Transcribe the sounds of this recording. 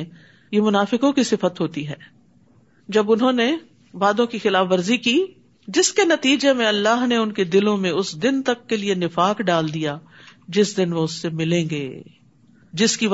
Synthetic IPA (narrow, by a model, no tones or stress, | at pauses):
jemʊnaːfɪkõkisɪfət̪ɦoːt̪iɦɛː | d͡ʒɐbʊnɦõne | baːd̪õkixɪlaːfʋɐɾzikiː | d͡ʒɪskenɐt̪iːd͡ʒemẽɐlːaːɦneʊnked̪ɪlõmẽʊsd̪ɪnt̪ɐkːelienɪfaːkɖaːld̪ijaː | d͡ʒɪsd̪ɪnʋoʊsːemɪlẽːŋɡeː | d͡ʒɪski